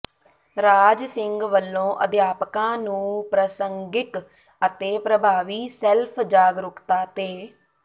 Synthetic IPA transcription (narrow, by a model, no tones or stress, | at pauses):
ɾaːd͡ʒsɪŋɡʋəlːõːʔəd̪jaːpkãːnũːpɾəsəŋɡɪk | ət̪eːpɾəbʱaːʋiːsɛlpʰd͡ʒaːɡɾʊkt̪aːt̪eː